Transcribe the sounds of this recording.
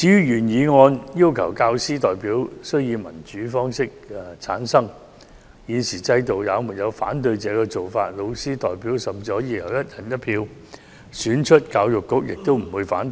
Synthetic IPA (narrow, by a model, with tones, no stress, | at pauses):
t͡siː˨˧jyː˥jyː˨˩njiː˨˧ŋɔː˧njiː˥wkʰɐ˨˩wkaː˧wsiː˥t̪ɔː˨jpiː˨˥wsɵ˥ɥjiː˨˧wmɐ̰˨˩nt͡ʃyː˨˥fɔː˥ŋsɪ˥k̚t͡sʰa̰ː˨˥nsɐ˥ŋ | jiː˨˧nsiː˨˩t͡sɐ˧jt̪o˨wjaː˨˧wmu˨˩jɐ˨˧wfa̰ː˨˥nt̪̬ɵ˧ɥt͡sɛː˨˧kɛː˧t͡so˨wfaː˧t̚lo˨˧wsiː˥t̪ɔː˨jpiː˨˥wsɐ˨˩mt͡si˧˩ɔ˧˥jiː˧kʰɐ˨˩wjɐ˥t̚jʰɐ˨˩njɐ˥t̚pʰiː˧w | syː˨˥nt͡ʃʰɵ˥t̚kaː˧wjʊ˨kːʊ˥k̚jɪ˨k̚t̪o˥wm̩˨˩wu˨˧jfa̰ː˨˥n